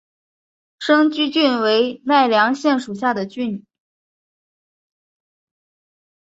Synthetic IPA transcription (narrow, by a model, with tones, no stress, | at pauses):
ʂɤ˥ŋt͡ɕy˥t͡ɕy˥˩nwe˧˥ɪna˥˩ɪljɑ˧˥ŋɕjɛ˥˩nʂu˨˩ɕ̬ja˥˩d̪ə˩t͡ɕy˥˩n˨˩